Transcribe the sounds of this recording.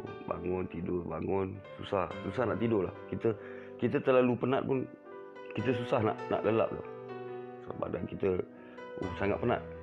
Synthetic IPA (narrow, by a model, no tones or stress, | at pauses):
ba̰ŋʊnt̪idʊbaŋʊnsṵsahsusahnaʔt̪idʊla̰hkit̪ə | kit̪ət̪ərlalupənat̪̚pʊn | kit̪əs̬usahna̰ʔna̰ʔləla̰p̚lo̰h | sa̰ba̰ʔdankit̪ə | ṵsaŋat̪ʔ̪̚pəna̰t̪̚